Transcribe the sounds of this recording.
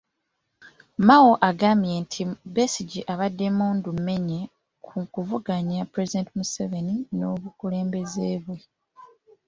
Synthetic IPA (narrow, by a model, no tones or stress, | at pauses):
mawoʔaɡaːmbje̞ntʰibesiɟiʔaβadːe̞muːndume̞ɲe | kʰukuvuɡaɲapɾe̞zidentimuseve̞nino̞βukule̞ːmbe̞zeːβwe̞